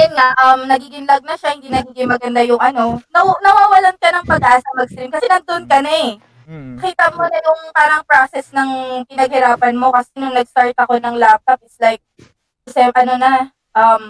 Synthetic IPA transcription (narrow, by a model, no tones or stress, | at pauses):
jʊnŋaʔɐmnɐɡiːɡɪŋlaɡ̚nɐʃahɪnd̪inɐɡiːɡɪŋmɐɡɐnd̪ajʊŋʔɐno̞nɐnɐwaːwɐlankɐnɐŋpɐɡ̚ʔaːsɐmɐɡ̚st̪ɾimkɐsɛnɐnd̪oonkɐnɐɛ | ɐkiːt̪ɐmonɐjʊŋpaːɾɐŋpɾasɛsnɐŋpɪnɐɡ̚hɛɾaːpɐnmo̞kɐsɛnʊŋnɐɡst̪aɹt̪̚ɐko̞nɐŋlap̚t̪ɐp̚ɪt̪slajk̚ | kɐsɛmʔɐno̞nɐ | ʔɐm